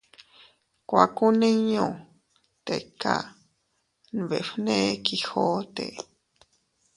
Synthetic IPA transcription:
kʷa˨ku˦nẽ˦ɲõ˨ | t̪e˨ka̰˦ | n˨βe˨fne˦kixo˦t̪ḛ˨

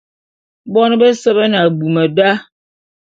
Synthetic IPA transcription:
bɔ˦n˦be˦sə˦bə˦n˨a˨bu˨mə˨da˦

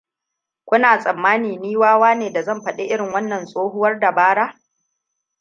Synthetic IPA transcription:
kʷʊ˦naː˨sʼɐ˨mːaː˦niː˨niː˦waː˦waː˦neː˨da˨zɐ˦˨mɸɐ˦˨ɗe˦ʔɪ˦ɽɪ˨ŋwɐ˦nːɐ˨nsʼoː˦ɦʊ˦wɐ˦rda˨baː˦ɽaː˦

